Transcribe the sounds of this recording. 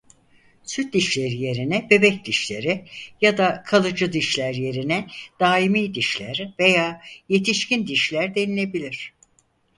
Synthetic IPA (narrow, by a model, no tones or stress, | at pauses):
syt̪̚d̪iʃlʲeɾije̞ɾinɛbe̞bɛcd̪iʃlʲe̞̰ɾijad̪akʰalˠɯd͡ʒɯd̪iʃlʲæɾje̞ɾinɛd̪̥aːimiːd̪iʃlʲæ̰ɾve̞jaːje̞t̪ʰiʃcind̪iʃlʲæɾd̪e̞nilʲe̞bilʲiɾ̝̥